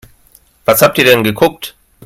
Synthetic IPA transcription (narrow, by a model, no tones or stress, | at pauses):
v̥ashaːp̚tiːɐdɛnɡəkʰʊk̚t